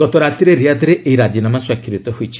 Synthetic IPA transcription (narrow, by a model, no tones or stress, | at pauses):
ɡ̥ɔt̪ɔɾat̪iɾeɾiad̪ʱiɾeʔeiɾad͡ʒinamaswakʰːɾit̪ɔɦojt͡ʃʰi̥